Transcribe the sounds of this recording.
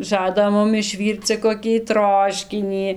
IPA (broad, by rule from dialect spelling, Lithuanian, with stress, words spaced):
ˈʒɑːdɐ ˈmʊm ɪʃʲˈʋʲiːrt͡s t͡sʲɛ koːˈkʲiː ˈtroːʃʲkʲɪnʲiː